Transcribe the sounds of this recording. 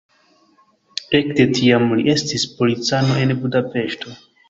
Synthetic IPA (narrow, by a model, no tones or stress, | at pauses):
e̞kde̞tʰiamlḭʔe̞stispolit͡sano̞ʔe̞nbudape̞ʃtʰo̞